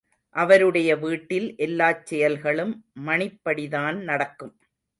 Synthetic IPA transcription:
ʔɐʋɐɾɯɽɐjɐʋiːʈːɪlʔɛlːaːt͡ʃːɛjɐlɣɐɭɯmːɐɳɪpːɐɽɪðaːnnɐɽɐkːɯm

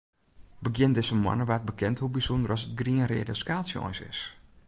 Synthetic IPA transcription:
bəɡjɪndɪsəmɔ̰nəʋat̚bəkʰɛnthubisondərɔsət̚ɡriənrɪ̰ːdəskaːlsjɔ̰jsɪ̰s

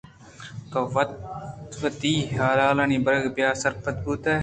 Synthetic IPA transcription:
t̪oʋɐt̪ʋɐt̪iːɦaːɾaːlɐniːbɐɾɡpjaːsɐɾpɐt̪̚buːt̪ɐ

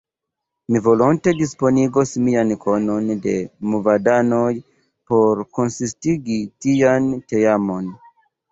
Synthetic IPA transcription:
mivo̞lonte̞dispo̞niɡosmiankʰo̞no̞nde̞muvadanoj | po̞ɾko̞nsistiɡitianteamo̞n

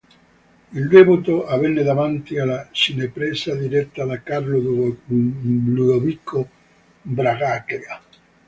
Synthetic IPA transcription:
ild̪ɛbut̪oʔavɛnːed̪avant̪ialat͡ʃinepɾɛːsad̪iɾɛt̪ːad̪akarlo | lud̪ovikʰːo | bɾaɣakea

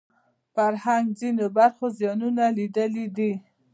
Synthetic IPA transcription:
faɾhaŋɡzinobaɾxozjɑnunalid̪əlid̪i

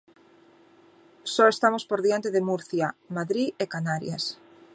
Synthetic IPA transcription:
sɔest̪amospoɾðiant̪eðemuɾθjamaðɾiekanaɾj̰as

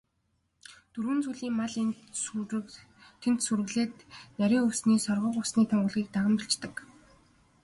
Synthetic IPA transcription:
t̪ɵɾwɘ̆nt͡suːɮiːŋmaɮ | t̪ʰːen̥t̪suɾɘ̆ɣɮeːt̪næɾʲiːŋɵwsniːsɔrʁɞ̆qʊsniːt̪ʰaŋɢʊːɮɣiːk̚t̪aʁə̆mpiɬt͡ɕt̪ə̆k

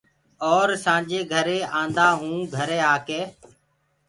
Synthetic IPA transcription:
ɔːɾsãːd͡ʒeːɡʱəɾeːãːnd̪aːɦũːɡʱəɾeːaːkeː

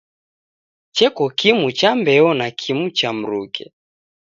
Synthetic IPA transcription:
t͡ʃɛkɔkimut͡ʃambɛɔnakʰimut͡ʃam̩ɾukʰɛ̰

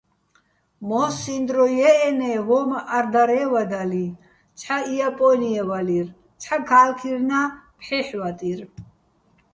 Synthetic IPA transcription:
mɔsind̪ɾɔjɛɛnɛvɔmaʔaɾd̪aɾɛwad̪ali | t͡sʰħaiapʼɔniɛvaliɾ | t͡sʰħaɡʰaːlkʰiɾnapʰħɛħwat̪ʼiɾ

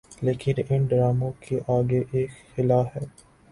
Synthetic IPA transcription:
leːkɪnɪnɖɾaːmõkʰeʔaːɡeʔeːkxɪlaːɦɛː

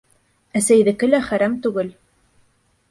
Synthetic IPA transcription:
æsæjðɘ̆kɘlæχæɾæmt̪ʉɡɘl

